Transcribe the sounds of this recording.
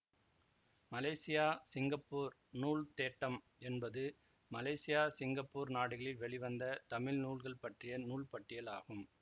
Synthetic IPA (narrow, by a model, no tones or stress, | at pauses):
mɐlɐːsɪjaːsɪŋɡɐpːuːɾ | nuːɭt̪eːʈːɐm | ɛnbɐðɯ | mɐleːsɪjaːsɪŋɡɐpːuːɾnaːɽɯɣɐɭɪlʋɛɭɪʋɐnd̪ɐt̪ɐmɪlnuːɭɣɐɭpɐʈrɪjɐnuːlpɐʈːɪjɐla̰ːɣɯm